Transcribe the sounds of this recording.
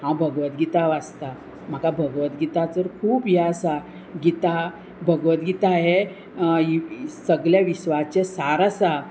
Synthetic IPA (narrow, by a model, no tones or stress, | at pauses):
hãbʱəɡʋət̪̚ɡit̪aʋast̪a | m̤akabʱəɡʋət̪ɡit̪at͡səɾkʰuːpjasa | ɡit̪a | bʱəɡʋət̪̚ɡit̪aɦe | səɡljaʋiɕʋat͡ɕesaɾasa